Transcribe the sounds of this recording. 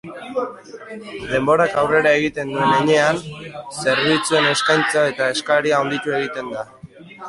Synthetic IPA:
d̪e̞mbo̞ɾakawre̞ɾae̞ɣit̪e̞nd̪ue̞ne̞ɲe̞anse̞ɾβ̞it͡sue̞ne̞skajnt͡sae̞t̪ae̞skaɾiaond̪it̪ue̞ɣit̪e̞nd̪a

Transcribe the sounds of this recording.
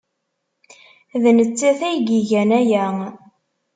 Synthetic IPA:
ðnət͡sːæθæjɡiʝænæjæ

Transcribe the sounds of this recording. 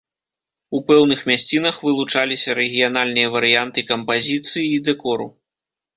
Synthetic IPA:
upɛwnɨxmʲasʲt͡sʲinɐxvɨlˠut͡ʂalʲisʲɐɾɛɣʲijanalʲnɨjɐvɐɾɨjant̪ɨkɐmpazʲit̪sɨjiːd̪ɛkɔɾṵ

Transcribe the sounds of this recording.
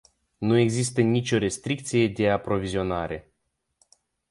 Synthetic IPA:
nue̞ɡzist̪ənʲit͡ʃʲo̞ɾe̞st̪ɾik̚t̪sije̞d̪e̞apɾo̞vizio̞naɾe̞

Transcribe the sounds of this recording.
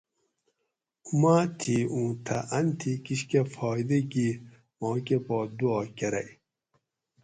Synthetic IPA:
umaːt̪ʰiːũːt̪ʰɐ̰ʔɐnt̪ʰikiɕkɐfɔːjd̪eɡi | mɔ̃ːkepɔːd̪uɔːkɐɾɐ̰j

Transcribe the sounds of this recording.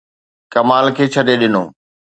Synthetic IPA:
kɐmaːlkʰeːt͡ɕʰɐɗeɗɪno̰ː

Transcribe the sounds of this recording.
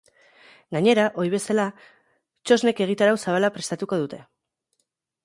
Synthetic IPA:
ɡaɲe̞ɾaʔo̞ɾiβ̞e̞sala | t͡ʃo̞zne̞ke̞ɣ̞it̪aɾawsaβ̞alapɾe̞st̪at̪uko̞ðut̪e̞

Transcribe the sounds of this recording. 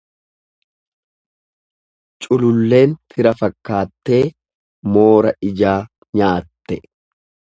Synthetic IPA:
t͡ʃʼʊlʊlːe̞ːnt̪ʰɪɾɐfɐkːaːt̪ːe̞ː | mo̞ːɾɐʔɪd͡ʒaː | ɲaːt̪ːɛ

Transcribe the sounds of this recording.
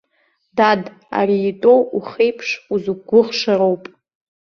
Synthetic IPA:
dad | a̰ɾiːtʼo̞wuχejpʰʂuzuɡʷʊʁʂaɾo̞wpʼ

